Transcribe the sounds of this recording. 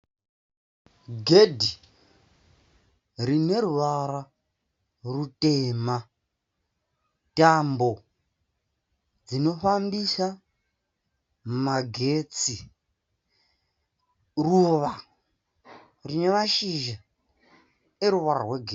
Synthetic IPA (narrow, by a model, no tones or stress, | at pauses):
ɡʱedʱi | rine̞ɾuʋaɾa | rutema | tambo̞ | d͡zino̞fambisa | maɡʱet͡si | ruʋa | rine̞maʃiʒa | eɾuʋaɾarweɡʱe